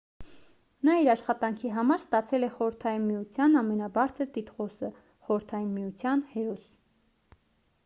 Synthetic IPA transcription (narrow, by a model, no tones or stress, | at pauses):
nɑiɾɑʃχɑt̪ɑŋkʰiɦɑmɑɾst̪ɑt͡sʰɛlɛχɔɾəɾt̪ʰɑjinmijut͡sʰjɑnɑmɛnɑbɑɾt͡sʰəɾt̪it̪χɔsə | χɔɾəɾt̪ʰɑjinmijut͡sʰjɑnhɛɾɔs